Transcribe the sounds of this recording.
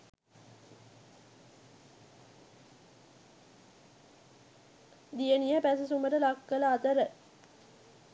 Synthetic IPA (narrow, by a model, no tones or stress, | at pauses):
d̪ijənijəpæsɐsuməɾəlakːəlɐːt̪əɾə